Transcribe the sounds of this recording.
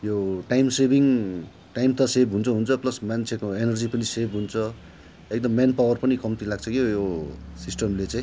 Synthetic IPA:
joʈajmsebʱiŋ | ʈajmt̪ʌsebɦunt͡sʰʌɦunt͡sʰʌplʌsmant͡sʰekoenʌrd͡zipʌnisebɦunt͡sʰʌ | ek̚d̪ʌmːanpawʌrpʌnikʌmt̪ilaɡ̚t͡sʰʌkijosisʈʌmlet͡sãĩ

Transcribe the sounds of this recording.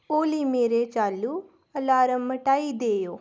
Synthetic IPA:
oːlimeːɾet͡ʃaːlu | əlaːɾəmːəʈaːid̪eːjoː

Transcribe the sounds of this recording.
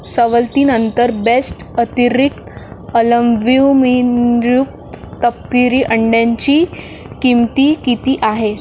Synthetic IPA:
səʋəlt̪iːnənt̪əɾbesʈət̪iɾikt̪ələmbiwmiɾjuk̚t̪t̪əp̚t̪iɾiːʔəɳɖjaɲt͡ɕiː | kimt̪iːkit̪iːʔaɦe

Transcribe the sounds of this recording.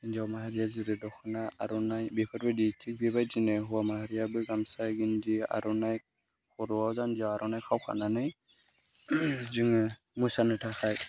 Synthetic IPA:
ndiawmaɦaɾijaziɾɛdɔkʰɯnaa̰ɾɔnajbɛpʰatbɯditʰik̚bibajzinɛɦuwamahaɾijabɯjɡamsajɡindia̰ɾɔnaj | kʰɔɾɔwawzandiawaɾʔɔnajkʰawkʰa̰nanaj | ziŋ | musanɯtʰaxaj

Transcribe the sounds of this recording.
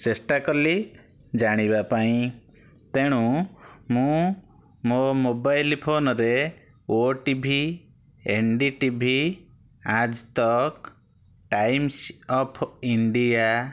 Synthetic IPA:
t͡ʃesʈakɔli | d͡ʒaɽ̃ibapaĩ | t̪eɽ̃ũmũ | momobajlpʰonɔɾe | oʈibʱi | eɳɖiʈibʱi | ad͡ʒt̪ɔk | ʈajmsɔpʰiɳɖia

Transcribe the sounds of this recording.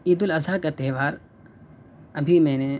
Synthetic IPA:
iːd̪ʊlɐzaːkat̪ɛːʋaːɾ | ɐbʱimɛ̃ːne

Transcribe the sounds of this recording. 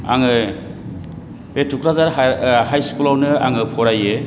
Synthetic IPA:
a̰ŋɯ | b̥etʰukɾazaɾhajskulawnɯa̰ŋɯpʰɔɾajɯ

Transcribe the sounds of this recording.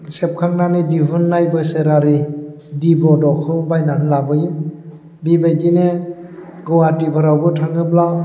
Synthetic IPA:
sep̚kʰaŋ̚nanediɦunːajbɯseɾaɾi | dibɔdɔkʰɯbajnanlabɯjɯ | bibajdine | ɡɔwatipʰɯɾawbɯtʰaŋɯp̚la

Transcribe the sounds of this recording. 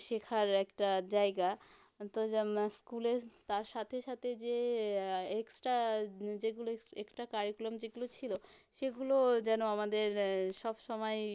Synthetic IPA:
ʃekʰaɾɛkʈad͡ʑaeɡa | t̪oskulet̪aɾʃat̪ʰeʃat̪ʰed͡ʑe | eksʈad͡ʑeɡuloekʈakaɾikulomd͡ʑeɡulot͡ɕʰiloʃeɡulod͡ʑɛnoamad̪eɾʃɔbʃɔmɔe

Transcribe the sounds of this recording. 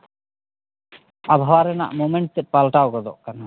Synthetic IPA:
abʱawaɾɛna̰ʔmomeɳʈ̚t̪ɛpalʈawɡɔd̪ɔ̰ʔkana

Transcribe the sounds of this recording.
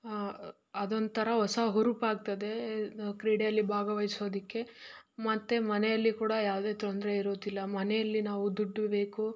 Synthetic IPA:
ɐd̪ond̪t̪ʰɐɾɐɦɔsaɦuɾupaːɡ̚t̪ɐd̪e̞kɾiːɽejɐlːibʱaːɡɐʋɐjso̞ːd̪ikːe̞ | mɐt̪ːe̞mɐnɛjɐlːikuːɽɐjaːʋd̪e̞ːt̪ond̪ɾeiɾoːd̪ilːɐmɐnɛjɐlːinaːʋud̪uɖːbe̞ːku

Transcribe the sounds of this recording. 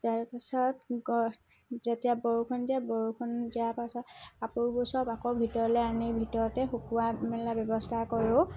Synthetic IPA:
taɹpasɔtɡɔ | zetijabɔɹukʰɔndiabɔɹukʰɔndiapasɔtapuɹbusɔpakɔbʱitɔɹɔlɛanibʱitɔɹɔtɛxukuamɛlabɔbɔstʰakɔɹʊ̃

